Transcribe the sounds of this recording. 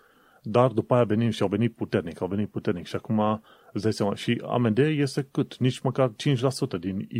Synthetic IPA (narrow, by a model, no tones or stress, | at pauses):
d̪ard̪upaːjave̞nimʃiawve̞nit̪̚put̪e̞rnikawve̞nit̪̚put̪e̞rnikʃiakuma | əsd̪ajsjamaʃia̰mend̪eje̞st̪e̞kɨt̪nit͡ʃʲməkart͡ʃint͡ʃʲlasut̪əd̪in